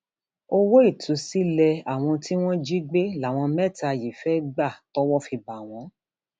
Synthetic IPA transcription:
o˧wo˦i˦˨tʰu˨˦si˦lɛ˧a˨w̃ɔ̃˧ti˦w̃ɔ̃˦d͡ʒi˦ɡ͡be˦la˨w̃ɔ̃˧mɛ˦˨ta˧˨ji˨fɛ˦ɡ͡ba˦˨tɔ˦wɔ˦fi˧ba˨w̃ɔ̃˧˦

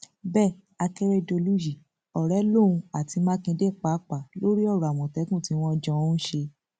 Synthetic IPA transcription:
bɛ˦˨ | a˧kɛ˦ɾɛ˦do˧lu˦ji˨ | ɔ˨ɾɛ˨˦lo˦˨ũ˧a˨ti˧mã˦kĩ˧de˦˨k͡pa˨˦k͡pa˨lo˦ɾi˦ɔ˦˨ɾa˨w̃ɔ̃˨tɛ˨˦kũ˦˨ti˨˦w̃ɔ̃˦d͡ʒɔ̃˧˦ʃe˧

